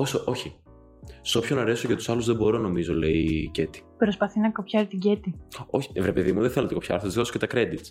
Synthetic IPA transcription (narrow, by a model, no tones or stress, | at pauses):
osoʔo̞çi | so̞pçonɐɾe̞soʝɐt̪u̥sɐluzðe̞bo̞ɾo̞no̞mizo̞le̞ice̞t̪i̥pɾo̞spɐθinɐko̞pçɐɾit̪iɟet̪io̞̰çi̥vɾepe̞ðimuðeθelɐt̪iko̞pçɐ̰ɾθost̪i̥oso̥cet̪ɐkɾe̞d̪it̪s